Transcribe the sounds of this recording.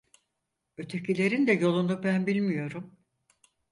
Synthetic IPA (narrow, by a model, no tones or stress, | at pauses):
ø̞t̪ʰe̞cʰilʲe̞ɾind̪ɛjo̞lˠund̪abænbilʲmijo̞ɾum